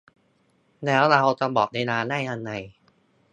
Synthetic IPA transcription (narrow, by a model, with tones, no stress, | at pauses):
lɛː˦˥wɾa˧wt͡ɕa˧bɔː˨˩k̚na˧jnaː˧nda˥˩jʔa˧nːa˨˧˩j